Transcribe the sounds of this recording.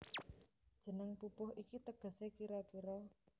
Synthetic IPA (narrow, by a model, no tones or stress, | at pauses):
d̥ʒ̥ə̤nəŋpupʊɦʔikit̪əɡ̥a̤sekiɾɔkiɾɔ